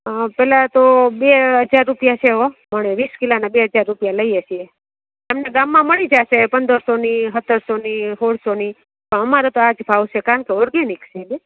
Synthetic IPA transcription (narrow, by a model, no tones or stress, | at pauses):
pɛlat̪obeɦəd͡ʒaɾːupjat͡ʃʰeɦoməɳ̃eʋiskilanabeɦəd͡ʒaɾːupjaləiet͡ʃʰie | əmneɡamːãməɭid͡ʒaʃepənd̪əɾsoniɦət̪ʰːəɾsoniɦoɽsoni | pəɳəmaɾot̪oad͡ʒbʱaʋʃʰekaəɳkeɔɾɡeniksebe